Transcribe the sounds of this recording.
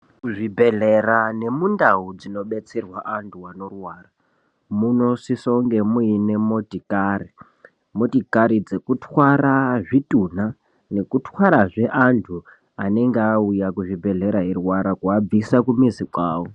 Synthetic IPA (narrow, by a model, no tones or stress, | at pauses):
kuʐibʱe̞ɮerane̞mundaud͡zino̞ɓe̞t͡se̞rwaʔantʰuwano̞rwaːra | muno̞sisoŋɡe̞muine̞mo̞tʼikari | mo̞tikaɾid͡ze̞kutʰwaɾaʐitʼun̤a | ne̞kutwaɾaʐe̞ʔantʰu | ane̞ŋɡeaujakuʐibʱe̞ɮe̞ɾaɦirwaɾakuab͡visakumizikwaːwo